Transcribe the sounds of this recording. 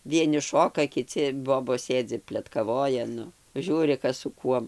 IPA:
ˈʋʲiɛnʲɪ ˈʃoːkɐ kʲɪˈt͡sʲɪ ˈboːboːs ˈsʲeːd͡zʲɪ pʲlʲɛtkɐˈʋoːjɛ ˈnʊ ˈʒʲuːrʲɪ ˈkɐs sʊ ˈkuɔm

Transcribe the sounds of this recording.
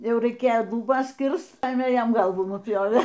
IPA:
ˈjɛʊ rɐɪˈkʲeːjoː lˠʊˈbɐs ˈkʲɪrst ˈpɑːjeːmʲeː ˈjɛm ˈɡɐlˠʋuː nʊˈpʲjoːʋʲeː

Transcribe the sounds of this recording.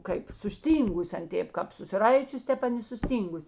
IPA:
kɐɪp sʊsʲˈtʲiːŋɡʊs ˈɐn ˈtʲeːp kɐp sʊsʲɪˈrɐɪt͡ʃʲʊs ˈtʲɛp ˈɐn ɪ sʊˈsʲtʲiːŋɡʊs

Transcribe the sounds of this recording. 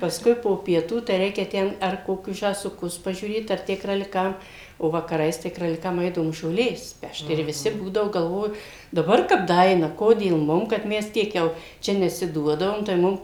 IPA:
pɐsˈkʊɪ poː pʲiɛˈtuː tɐɪ ˈrʲɛɪkʲɛ ˈtʲɛn ɐr koːˈkʲʊs ʒɑːsʊˈkʊs pɐʒʲuːˈrʲeːt ɐr ˈtʲæː krɐlʲɪˈkɐm oː ʋɐkɐˈrɐɪs tɐɪ krɐlʲɪˈkɐm ˈɛɪdɐʋoːm ʒoːˈlʲeːs ˈpʲɛʃt ɪr ʋʲɪˈsʲɪ ˈbuːdɐʋoː ɡɐlˠˈʋoːjʊ dɐˈbɐr kɐp dɐˈɐɪnɐ ˈkoːdʲeːlˠ mʊm kɐt ˈmʲɛs ˈtʲiɛk jɛʊ ˈt͡ʃʲɛ nʲɛsʲɪˈduɔdɐʋoːm tɐɪ ˈmʊm

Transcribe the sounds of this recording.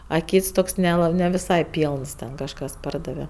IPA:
ɐ ˈkʲiːts ˈtoːks nʲɛˈlˠɐ nʲɛ ʋʲɪˈsɐɪ ˈpʲiːlˠns ˈtʲɛn kɐʃˈkɐs ˈpɐrdɐʋʲɛ

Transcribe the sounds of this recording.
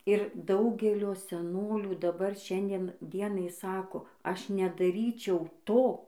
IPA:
ɪr ˈdɐʊɡʲɛlʲoː sʲɛˈnoːlʲuː dɐˈbɐr ˈʃʲɛnʲdʲiɛn ˈdʲiɛnɐɪ ˈsɑːkoː ˈɐʃ nʲɛdɐˈrʲiːt͡ʃʲɛʊ ˈtoː

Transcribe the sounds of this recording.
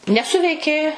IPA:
nʲɛˈsʊʋʲɛɪkʲeː

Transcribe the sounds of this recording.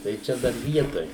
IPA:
tɐɪ ˈt͡ʃʲɛ dɐr ˈʋʲiɛtoːj

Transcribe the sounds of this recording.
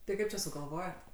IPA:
tɐɪ ˈkɐɪp t͡ʃʲɛ sʊɡɐlˠˈʋoːjoːt

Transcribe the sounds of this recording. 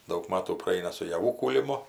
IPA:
dɐʊk ˈmɑːtuː prɐˈɐɪnɐ sʊ jɛˈʋuː kuːlʲɪˈmʊ

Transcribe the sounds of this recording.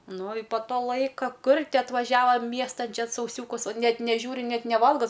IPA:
ˈnʊ ɪ poː ˈtoː ˈlˠɐɪkɐ ˈkʊr ˈtʲɪ ɐtʋɐˈʒʲæːʋɐ ˈmʲiɛstɐn ˈt͡ʃʲɛ sɐʊˈsʲuːkʊs ˈnʲɛt nʲɛˈʒʲuːrʲɪ ˈnʲɛt nʲɛˈʋɐlˠɡɐ

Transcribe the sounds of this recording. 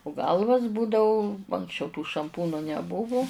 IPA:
ʊ ˈɡɐlˠʋɐs ˈbuːdɐʊ ɐŋksʲˈt͡ʃʲɛʊ tuː ʃɐmˈpuːnʊ nʲɛˈbʊʋʊ

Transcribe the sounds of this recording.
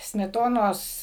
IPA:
sʲmʲɛˈtoːnoːs

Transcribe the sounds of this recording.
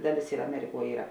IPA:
ˈdɑːˌlʲeːs ɪr ɐˈmʲæːrʲɪˌkuɔ ˈiːrɐ

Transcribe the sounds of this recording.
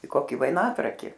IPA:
ɪ ˈkoːkʲɪ ʋɐɪˈnɑːtrɐkʲɪ

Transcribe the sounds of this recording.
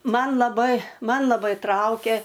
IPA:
ˈmɐn lˠɐˈbɐɪ ˈmɐn lˠɐˈbɐɪ ˈtrɐʊkʲeː

